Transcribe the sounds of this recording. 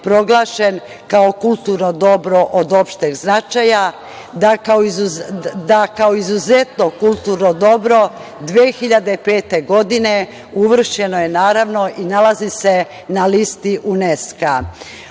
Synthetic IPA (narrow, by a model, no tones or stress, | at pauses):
pɾo̞ɡlˠaːʃe̞n | kao̞kulˠt̪uɾno̞d̪o̞bɾo̞ʔod̪o̞pʃt̪eɡznat͡ʃaja | d̪akaoizud̪akaoizuze̞t̪nokulˠt̪uɾnod̪o̞bɾo̞d̪ʋeːxiʎad̪epe̞ːt̪e̞ɡo̞d̪ine̞ | uʋr̩ʃe̞no̞je̞naːɾaʋno̞ʔinalazise̞ | nalist̪iʔuneska